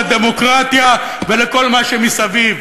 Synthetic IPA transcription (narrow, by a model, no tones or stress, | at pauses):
d̪e̞mo̞kʁat̪ja | ve̞leko̞lmaʃemisaviv